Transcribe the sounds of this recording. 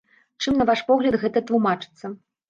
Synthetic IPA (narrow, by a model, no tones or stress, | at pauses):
t͡ʂɨmnɐvaʂpɔɣlʲɐd̪ɣɛt̪ɐt̪lumat͡ʂɨ̥t̪sːɐ